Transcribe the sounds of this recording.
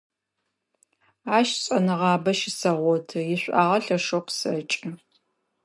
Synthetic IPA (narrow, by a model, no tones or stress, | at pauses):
aːʃɕʼɐnɨʁɑːbɐʃɪsɐʁʷɔtʰɨjɪɕʷʼa̰ːʁɐɬɐʂoqsɐt͡ʃʼɐ